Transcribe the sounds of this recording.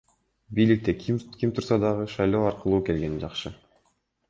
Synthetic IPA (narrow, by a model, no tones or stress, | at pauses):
bijlik̚t̪e̞kʰimkʰʲimt̪ʰuɾsɑd̪ɑʁɯʃɑjlˠo̞ːɑɾqɯlˠuːke̞lɡe̞nid͡ʒɑqʃɯ